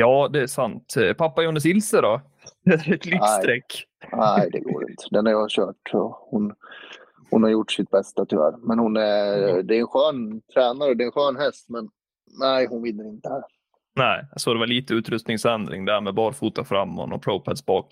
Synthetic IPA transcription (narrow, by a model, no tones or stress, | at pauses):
jɑːd̪ɛæʂant̪pʰapːajuːnːəsɪlsəɾɔ | ɛæɾɛt̪lɪst̪ɾɛkːæjd̪ɛ̰ɡo̰ːɾɪ̰nt̪ə̥d̪ɛnhaɾjɑɕœːʈɔhʊn | hʊnhaɾjʊʈːʂɪt̪̚bɛst̪at̪ʰʏvæ̰ːɾmɛnhʊnæd̪ɛɛnɧœːnt̪ʰɾɛːnaɾəd̪ɛːnɧøːnɦɛst̪mɛnː | æɪhʊnvɪnːəɾɪnt̪əhæɾ | næɪsɔd̪ɛvaɭiːt̪əʉ̟ːt̪ɾɵst̪nɪŋsɛnd̪ɾɪ̰ŋd̪ɛæːɾmɛbɑːɾfuːt̪afɾamːɔ̰nːɔ̰pʰɾɔʊpʰæd̪sbɑːk